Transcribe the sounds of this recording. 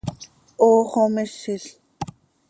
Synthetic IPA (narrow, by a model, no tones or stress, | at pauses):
oːχomɪʃɪɬ